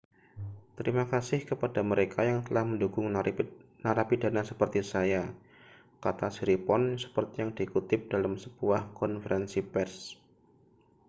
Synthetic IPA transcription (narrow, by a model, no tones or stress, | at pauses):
t̪əɾimakasɪhkəpadaməɾekʰajaŋt̪əlahməndukʊŋ | naɾapidanasəpərt̪isaja | kat̪asiɾipɔnsə̥pərt̪ijaŋdikut̪ɪp̚d̥alamsəb̥uahkɔnfəɾɛnsipɛrs